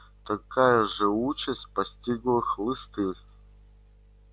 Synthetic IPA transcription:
t̪ɐkʰajɐʐɨut͡ɕɐsʲt̚ʲpɐsʲtʲiɡlˠɨxlˠɨst̪ɨ

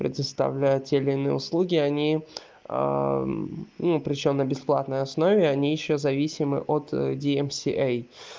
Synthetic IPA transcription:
pɾʲɪ̰d̪əst̪ɐ̰vlʲæjətʲeɪlʲiːnɨjə̰ʊslˠuɡʲɪɐnʲḭ | nupɾʲɪt͡ɕomnəbʲɪsplˠat̪nəjɐsno̞vʲɪɐnʲijɪɕːozɐvʲisʲɪmɨ̰ʔot̪dʲɪɛmsʲiʔɛj

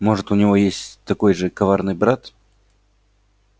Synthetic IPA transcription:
mo̞ʐɨt̪ʊnʲɪvo̞jesʲtʲt̪ɐko̞jʐɨkɐvarnɨjbɾat̪

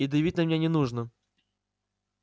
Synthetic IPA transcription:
id̪əjɪvʲit̚ʲnəmʲnʲenʲɪnuʐnə

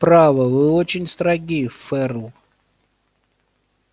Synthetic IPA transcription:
pɾavəvɨot͡ɕɪnʲst̪ɾɐɡʲifɛɾlˠ

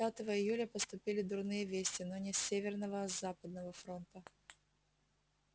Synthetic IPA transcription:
at̪əvəɪjulʲəpəst̪ʊpʲilʲɪd̪ʊrnɨjəvʲesʲtʲɪnonʲɪsʲːevʲɪrnəvəzapəd̪̚nəvəfɾo̞nt̪ə

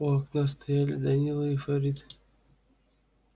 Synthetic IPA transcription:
ʊɐknʲas̬t̪ɐjalʲɪ̰d̪ɐnʲilˠɨɪfɐɾʲit̪ɨ̥

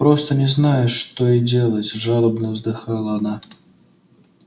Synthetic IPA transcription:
pɾost̪ənʲɪznajɪʂːt̪oidʲelˠətʲʐalˠəbnəvzd̪ɨxalˠəɐna

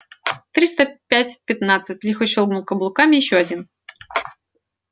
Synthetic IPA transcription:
t̪ɾʲist̪əpʲætʲpʲɪt̪nat̪sɨtʲlʲixʊɕɨlˠɡnulˠkəblˠʊkamʲɪjɪɕːoɐdʲin

